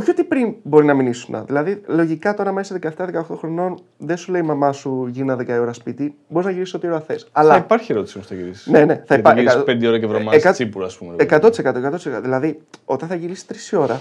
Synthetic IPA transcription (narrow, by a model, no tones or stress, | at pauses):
oçiot̪ipɾinbo̞ɾinɐminisunɐ̰ðilɐðilo̞ʝikɐt̪o̞ɾɐmesiðekɐeft̪ɐðekɐoxt̪o̞xɾo̞no̞n | ðensule̞imɐmɐsuʝinɐðekɐio̞ɾɐspit̪ibo̞ɾiznɐʝiɾiso̞t̪io̞ɾɐθe̞sɐlɐɐipɐɾçieɾo̞t̪isimost̪ɐʝiɾisne̞ne̞θɐipɐeiɐspend̪eo̞ɾɐkevɾomɐekɐsipuɾɐːspumeekɐt̪o̞t̪isekɐt̪oekɐt̪ot̪iskɐðilɐðio̞t̪ɐnθɐʝiɾisi̥t̪ɾisio̞ɾɐ